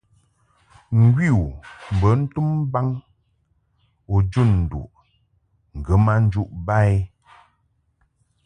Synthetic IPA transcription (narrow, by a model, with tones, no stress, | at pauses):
ŋ̩˨ɡwi˦˨u˨m̩˨bə˨˦n̩˦tu˦mba˦ŋ | o˨d͡ʒu˦˨nn̩˨dṵ˨ʔ | ŋ̩˨ɡə˨˦ma˦n̩˦d͡ʒu˦ʔba˦˨e˦